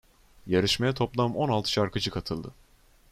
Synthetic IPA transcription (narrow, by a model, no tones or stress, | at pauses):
jaɾɯʃmajɛt̪ʰo̞plˠamɯmo̞nalˠt̪ʰɯ̥ʃaɾkʰɯd͡ʒɯkʰat̪ʰɯlˠd̪ɯ